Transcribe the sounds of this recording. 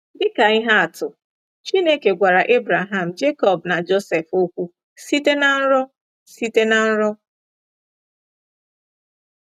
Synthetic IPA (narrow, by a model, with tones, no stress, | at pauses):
dɪ˦ka˨ɪ˦ɦa˦a˨tʊ˨ | t͡ʃi˦ne˦ke˨ɡʷa˨ɾa˨ʔe˦bɾa˨ɦa˨m̩˨d͡ʒe˦kɔ˨bna˨d͡ʒo˦sɛ˨fo˦kʷu˦ | si˦te˦na˨n̩˦ɾɔ˦ | si˦te˦na˨n̩˦ɾɔ˦